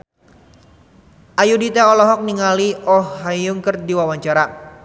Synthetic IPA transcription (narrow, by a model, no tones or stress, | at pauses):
ʔajudit̪aɔlɔɦɔk̚niŋaliɔhajuŋkərdiwawaɲt͡ʃaɾa